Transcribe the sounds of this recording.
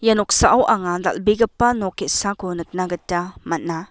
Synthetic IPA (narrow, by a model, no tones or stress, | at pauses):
janɔk̚saʔawʔaŋada̰lbiɡɐpːɐnɔketsakonɯk̚naɡɐtːamɐt̚na